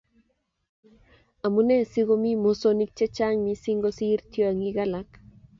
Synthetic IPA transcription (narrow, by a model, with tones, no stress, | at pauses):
a˨mu˦ne˦siɣo˦mi˦mosoni˦k̚t͡ʃe˦t͡ʃa˦ŋmisiŋɡo˦siː˦ɾt̪jo˦a˨ŋiɣalak